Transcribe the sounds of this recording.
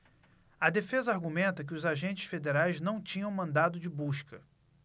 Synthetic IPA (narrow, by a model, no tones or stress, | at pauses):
ɐd̪efezɐaɾɡumẽnt̪ɐk̬ɪʊzaʒẽnt͡ʃɪsfed̪eɾajznɐ̃w̃t͡ʃĩɲɐ̃w̃mɐ̃nd̪ad̪ʊd͡ʒɪbuʃkɐ